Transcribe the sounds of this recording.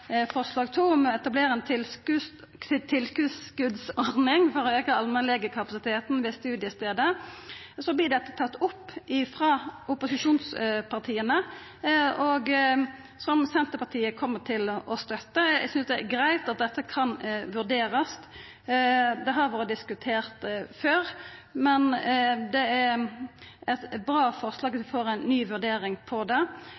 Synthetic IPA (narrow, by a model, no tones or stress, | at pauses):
fɔʁʂlɑːɡt̪ʰuːɔmɛt̪ɑbleːɾəɛnt̪ʰɪlkʉ | t̪ʰɪlskʉskʉd̪sɔʁnɪŋfɔɾɔøːkəɑlmənlɛɡəkʰɑpɑsɪt̪ʰeːt̪n̩ʋɛst̪ʉːd̪jəst̪eːd̪ə | sɔblɪd̪ɛt̪ːət̪ʰɑt̪ːʊpːɪfɾɑʔʊpʊsɪʂuːnspʰɑʁt̪ʰiːənə | ɔɡ | sɔmsɛnt̪əpɑt̪ʰiːəkʰɔmːəʈ̪ʰɪlɔst̪œt̪ːəsʏnsd̪ɛɡɾæɪt̪ɑt̪̚d̪ɛt̪ːəkʰɑnʋʉʁɖ̪eːɾəst̪ | d̪ɛɦɑɾʋɑːɾəd̪ɪskʉt̪ʰeːʁt̪føːɾmɛnd̪ɛæɾ | ɛt̪bʁɑːfɔʁslɑːɡʋɑsʋɪfoːɾæɪnːyːʋʉɾɖeːɾɪŋpʰɔd̪ɛ